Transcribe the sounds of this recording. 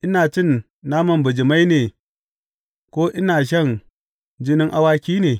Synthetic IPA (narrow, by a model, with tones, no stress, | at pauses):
ʔɪ˦naː˨t͡ʃɪ˦nː | aː˦mɐ˨mbʊ˨d͡ʒɪ˨ma˦jneː˨ | kʷoː˦ʔɪ˦naː˨ʃ̬ɐ˦ŋ | d͡ʒɪ˦nɪ˦ŋʔa˦waː˦kʲiː˦neː˨